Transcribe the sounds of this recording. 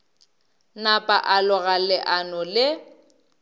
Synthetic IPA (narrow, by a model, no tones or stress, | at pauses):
napʼaʔalɔɣalɪʔanʊlɪ